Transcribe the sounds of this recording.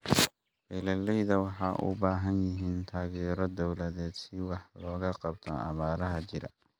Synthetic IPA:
ʔɪlɐlːɛjðɐwɑħɑːʔʊ̰baːɦɐnjɪɦiːnt̪ʰaːɣɛːɾɔd̪ɔwlɐðɛːd̪sɪwɑħlɔːɣɐqɑb̚t̪ʰɔ̰ɑ̰βaːɾɐɦɐt͡ʃɪɾɐ̰

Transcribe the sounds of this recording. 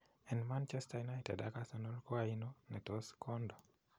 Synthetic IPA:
ɛnmant͡ʃɛstaunajtɛ̰dakasanolkɔainonɛtoskɔndo

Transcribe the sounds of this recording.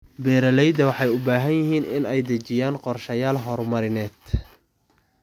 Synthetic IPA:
bɛːɾɐlɛjd̪ɐwɑħɑjʊbaːɦɐnjɪɦiːnɪnɛjd̪ɐt͡ʃɪjaːnqɔrʃɐjaːlɦɔrmɐɾɪnɛːd̪̥

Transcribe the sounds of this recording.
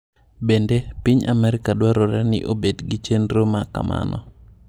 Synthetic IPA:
bendepiɲa̰mɛɾɪkadwaɾɔɾɛnɪ̰ʔobedɡit͡ʃenɾomaka̰ma̰nɔ̰

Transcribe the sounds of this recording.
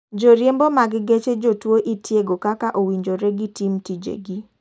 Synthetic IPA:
d͡ʒoɾjembomaɡɡet͡ʃed͡ʒotwoʔitʰjeɡokakaʔowiɲd͡ʒoɾɛɡitimtid͡ʒḛɡi

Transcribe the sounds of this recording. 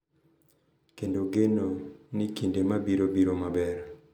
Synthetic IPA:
kendoɡenonikindemabiɾobiɾomabɛɾ

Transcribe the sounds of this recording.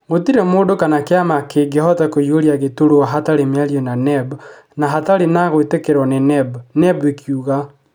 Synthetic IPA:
ɣotiɾɛmoːdokanakeamakeɡehɔtakoioɾiaɣetoɾoaɦataɾemeaɾiɔnanɛb | naɦataɾenaɣoetekeɾɔnenɛbnɛbekʰjuɣa

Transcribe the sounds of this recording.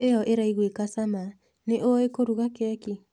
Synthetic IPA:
ejɔʔeɾaiɣwekasama | neʔoekoɾuɣakɛki

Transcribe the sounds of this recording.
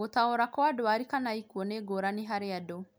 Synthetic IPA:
otaoɾakɔadowaɾikanaikuoneɡoɾaniɦaɾeado

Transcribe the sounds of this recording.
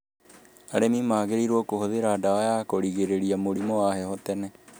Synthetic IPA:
aɾemimaːɣeɾiɾwɔkohoðeɾaːdawajakoɾiɣeɾeɾiamoɾimɔwahɛhɔtɛnɛ

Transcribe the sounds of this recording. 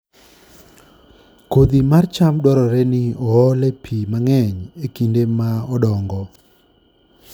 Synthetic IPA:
kod̪imart͡ʃamdwɔɾɔɾɛnɪɔɔlɛpʰimaŋɛɲekindemaɔdɔŋɡɔ

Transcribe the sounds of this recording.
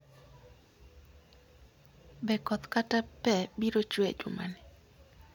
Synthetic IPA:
bɛkɔt̪katapɛbiɾot͡ʃwḛd͡ʒṵma̰nɪ

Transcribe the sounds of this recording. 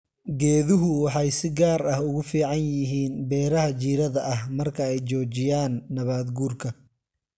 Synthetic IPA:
ɡɛːðʊɦʊwɑħɑjsɪɡaːɾɐhʊɣʊfiːʕɑnjɪɦiːnbɛːɾɐɦɐt͡ʃiːɾɐðɐʔɐhmɐrkʰɐɛjt͡ʃɔːt͡ʃɪjaːnːɐβaːd̪ɡuːrkʰɐ

